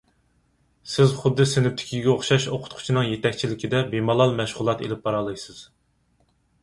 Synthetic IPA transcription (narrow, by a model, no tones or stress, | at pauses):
sɪzχʊd̪ːɨsɪnɪp̚t̪ʰɪ̥kʲʰiɡʲɛoχʃɑʃoqʰʊ̥t̪̚qʰʊ̥t͡ʃʰinɨŋjet̪ʰɛkʲt͡ʃʰilɪkʲid̪ɛbemɑlˠɑlˠmɛʃʁʊlˠɑt̪ḛlɪp̚bɑɾɑlˠɨjsɨz̥